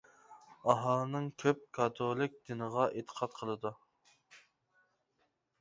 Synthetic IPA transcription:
ɑɦɑlˠnɨŋkʲʰøp̚kʰɑt̪ʰolˠɪk̚ʲd̪ɪnəʁɑʔet̪ʰə̥qʰɑt̪̚qʰəlˠɨd̪u

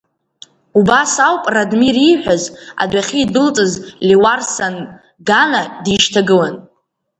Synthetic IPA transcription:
ubasawpʼradmiriħʷᶣaza̰dʷaχʲiːdɨlt͡sʼɨzliwarsan | ɡanadiʃtʰaɡɨlan

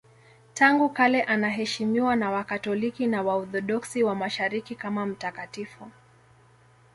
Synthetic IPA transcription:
taŋɡukalɛʔanaɦɛʃimiwanawakatɔlikinawaɔθɔɗɔksiwamaʃaɾikikamam̩takatifu

